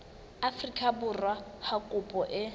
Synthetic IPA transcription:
afrikʼabʊrwahakʼʊpʼɔʔɪ

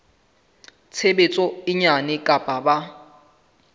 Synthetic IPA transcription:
t͡sʰebet͡sʼɔɪɲanɪkʼapʼaba

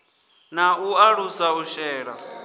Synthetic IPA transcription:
nauaɺusauʃɛːɺa̰

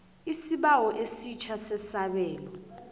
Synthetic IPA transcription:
isiɓawɔʔesit͡ʃʰasɛsaɓɛːlɔ

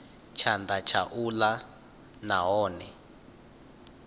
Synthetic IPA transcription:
t͡ʃʰandat͡ʃʰaʔula | naɦɔːnɛ

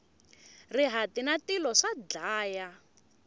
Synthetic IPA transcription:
riɦatinatilɔʂad͡ɮaːja

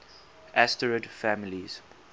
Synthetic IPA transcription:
ʔæstəɹədfæmiliz̥

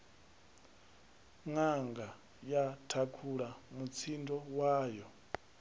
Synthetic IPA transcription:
ŋaŋɡa | jatʰakʰuɺamut͡sʰindɔwaːjɔ

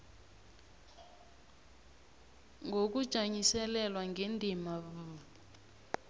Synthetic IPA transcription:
ŋɡʱok̬ud̥ʒ̥ʱaɲisɛlɛlwaŋɡʱendʱimavu

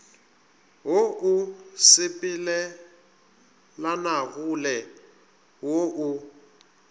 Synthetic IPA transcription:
woʔʊsɪpʼilɛ | lanaɣulɛ | woʔu

